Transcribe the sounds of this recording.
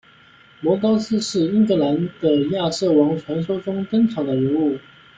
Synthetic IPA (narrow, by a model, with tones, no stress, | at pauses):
mɔ˧˥kɑ˥ʊs̩˥ʂɻ̩˥˩i˥ŋkɤ˧˥la˧˥nd̪̥ə˧ja˥˧ʂɤ˥˩wɑ˧˥ŋʈ͡ʂʰwa˧˥nʂo˥ʊʈ͡ʂʊ˥ŋt̪ɤ˥ŋʈ͡ʂʰɑ˨˩ʊd̪ə˦ɻə˧˥nu˥˩